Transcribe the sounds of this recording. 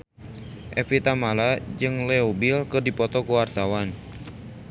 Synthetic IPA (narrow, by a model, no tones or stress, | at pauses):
ʔɛ̰fit̪amalad͡ʒɨŋlɛubilkɨrdipɔt̪ɔkuwart̪awan